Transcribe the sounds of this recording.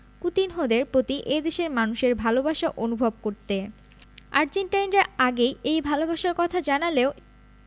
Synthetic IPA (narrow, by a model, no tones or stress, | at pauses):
kut̪inɦod̪eɾpɾot̪iʔed̪eʃeɾmanuʃeɾbʱalobaʃaʔonubʱob̚koɾt̪e | a̰ɾd͡ʑeɳʈajnɾaaɡejejbʱalobaʃaɾkɔt̪ʰad͡ʑanaleo